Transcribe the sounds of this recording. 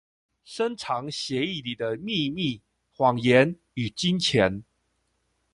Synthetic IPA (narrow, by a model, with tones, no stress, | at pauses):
ʂə˦nʈ͡ʂʰɑ˨˧˦ŋɕjɛ˨˦i˥˨li˨˩d̪ə˦mi˥˧mi˥˨ | xwɑ˨˩ŋjɛ˨˦n | y˨˩t͡ɕi˦nt͡ɕʰjɛ˨˦n